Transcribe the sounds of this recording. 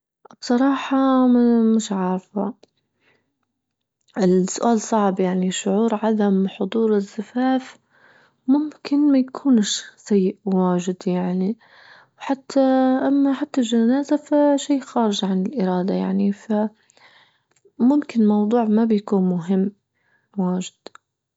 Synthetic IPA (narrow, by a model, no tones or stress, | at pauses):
b̥sˤɑɾˤɑːħɑmɪmɪʃʕɑːɾˤfa | ʔɪlsʊʔaːlsˤɑʕbjaʕniʃʊʕuːɾʕaðamħʊd̪ˤuːɾɪzːafaːf | mʊmkɪnmajakʰuːnʃsajːɪʔwaːʒɪd̪jaʕni | wħat̪ʰːaʔamːaħat̪ːalʒanaːzafaʃiːxaːɾɪʒʕanɪlʔɪɾɑːd̪aja̰ʕnifa | mʊmkɪnlmɑwd̪ˤuːʕmabjakuːnmʊɦɪmː | waːʒɪd̪̥